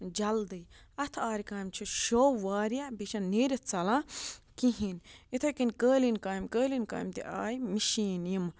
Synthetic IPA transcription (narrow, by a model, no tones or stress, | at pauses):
d͡ʒɐld̪ɨjɐt̪ʰaːɾikaːjmt͡ʃʰuʃoːwːaːɾijabiʃɐ̃nnːiːɾʲɐt̪t͡sɐlãːkĩɦinit̪ʰɐkinʲkəːlinkaːjimkəːlinka̰ːimt̪ḭʔa̰ːjimiʃiːnjim